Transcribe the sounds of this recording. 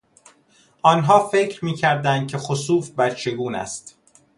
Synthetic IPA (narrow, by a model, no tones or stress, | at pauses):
ʔɒːnɦɒːfecʰɾmiːcʰæɾd̪ænd̪̚kcʰe̞xosuːfbæɾt͡ʃʰe̞ɡuːnæ̰st̪